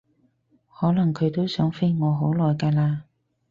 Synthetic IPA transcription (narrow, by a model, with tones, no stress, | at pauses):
hɔː˨˥lɐ˨˩ŋkʰɵ˨˧ɥt̪o˥wsœː˨˥ŋfe˥jŋɔː˨˧ɦo˨˥wlɔː˨jkaː˧laː˧